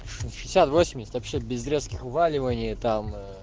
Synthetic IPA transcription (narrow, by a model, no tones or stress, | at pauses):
ʂɨʃʲɪsʲat̪vosʲɪmʲdʲɪsʲɪt̪ʲvɐpɕːebʲɪzɾʲeskʲɪxʊvalʲɪvənʲɪjət̪am